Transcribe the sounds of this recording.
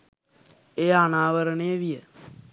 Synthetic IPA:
eːaːnaːʋəɾɳeːʋije

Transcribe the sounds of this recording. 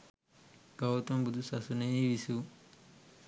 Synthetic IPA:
ɡɐwt̪ɐmbud̪usɐsunejiʋisu

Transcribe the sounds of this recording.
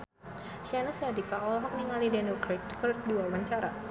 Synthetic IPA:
ʃianəsadikaɔlɔɦɔkəniŋalidɛnilkɾekɔt̪̚diwabaɲt͡ʃaɾa̰

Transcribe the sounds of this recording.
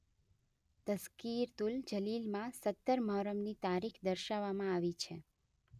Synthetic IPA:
t̪əskiɾt̪uld͡ʒəlilmãsət̪ːəɾməɦɾəmnit̪aɾikʰd̪əɾʃaʋːamãaʋit͡ʃʰe

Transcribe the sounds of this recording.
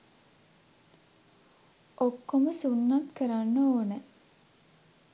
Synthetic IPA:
ʔokːoməsunːat̪kəɾanːəoːnə

